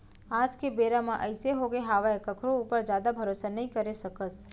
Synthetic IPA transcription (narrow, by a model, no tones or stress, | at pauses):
ad͡ʒkebeɾamãʔəjseɦoɡeɦaʋaekəkʰɾoupəɾd͡ʒjad̪abʱəɾosanəɦĩkəɾeʃəkəs